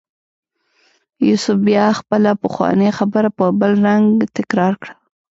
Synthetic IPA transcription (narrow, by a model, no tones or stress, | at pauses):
jusʊfbjɑxpəlapəxwɑ̰nexabəɾapəbəlɾaŋɡt̪ɪkɾɑɾkɽa